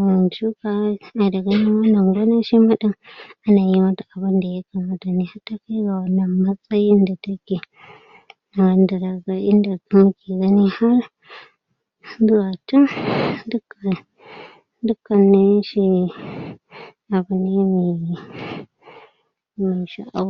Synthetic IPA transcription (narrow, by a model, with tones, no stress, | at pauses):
wa˨nt͡ʃu˦ka˦a˨da˨ɡa˦ni˦wa˦na˨ŋɡʷa˦na˦ʃi˦ma˦ɗa˦ma˦na˨ji˦ma˦ta˨ʔa˨bɨ˦nda˨ja˦ka˨ma˦ta˨ni˨ha˦tːa˦ka˦ɡa˨wa˨na˨ma˦t͡sʼa˦ji˦nda˨ta˦ke˨ | na˨ɡa˨˦nda˨ɾa˨ɡa˦i˦nda˨ka˦mu˦ki˨ɡa˦ni˦ha˦ɾ | zu˦wa˨ti˦ndu˦ka˨ | du˦kːa˨nːe˦ʃi˦ | a˨bu˨ne˦mi˨ | mi˨ʃa̰˦ʔa˦